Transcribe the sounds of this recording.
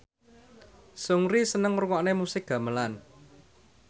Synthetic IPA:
sʊŋɾisənəŋruŋɔʔnemusɪk̚ɡ̥ä̤məlan

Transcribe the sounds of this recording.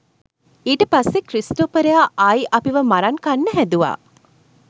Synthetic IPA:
iːʈəpasːekɾisʈoːpəɾeaːʔajʔɐpiʋəmaɾaŋkanːəɦæd̪uʋa̰ː

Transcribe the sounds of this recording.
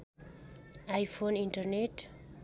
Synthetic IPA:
ajfonĩnʈərneʈ

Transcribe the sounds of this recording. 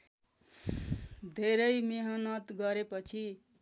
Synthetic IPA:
d̪ʱeɾʌjmeɦʌnʌt̪ɡʌɾepʌt͡sʰi

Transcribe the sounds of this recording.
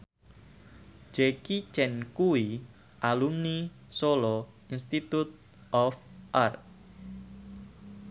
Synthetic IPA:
d͡ʒekit͡ʃɛnkui | ʔalumni | solɔ | inst̪it̪ut̪̚ | ɔfʔart̪̚

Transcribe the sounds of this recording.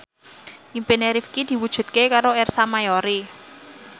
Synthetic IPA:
ʔimpineɾifkid̪̥i̤wud̥ʒ̥ṳt̪̚kekaɾoɛrsamajoɾi

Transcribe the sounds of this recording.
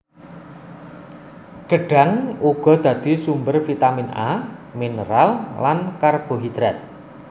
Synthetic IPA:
ɡ̥ə̤ɖ̥a̤nuɡ̥ɔ̤d̪̥ä̤d̪̥i̤sumbərfit̪amina̰minəɾallankarɡ̥o̤ɦid̪̥ɾɛt̪̚

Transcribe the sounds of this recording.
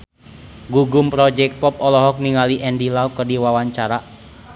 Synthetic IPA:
ɡuɡumpɾɔd͡ʒɛk̚t̪̚pɔp̚ɔlɔɦɔk̚niŋaliʔɛndilaukərdiwawaɲt͡ʃaɾa

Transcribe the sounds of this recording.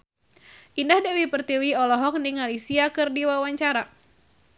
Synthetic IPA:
ʔindahdawipərt̪iwiɔlɔɦɔk̚niŋalisiakɨrdiwawaɲt͡ʃaɾa

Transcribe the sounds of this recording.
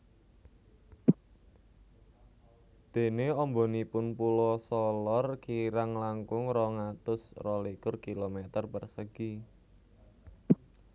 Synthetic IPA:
d̪̥e̤neɔmbɔnipʊnpulɔsɔlɔrkiɾaŋlaŋkʊŋɾɔŋat̪ʊsrɔlikʊrkilomet̪ərpərsəɡ̥i

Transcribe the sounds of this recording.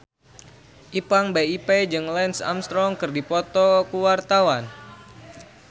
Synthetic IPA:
ʔipaŋbeiped͡ʒɨŋlɛnsa̰mst̪ɾɔŋkɨrdipɔt̪ɔkuwart̪awan

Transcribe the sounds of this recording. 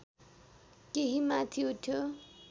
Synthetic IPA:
keɦimat̪ʰiut̪ʰjo

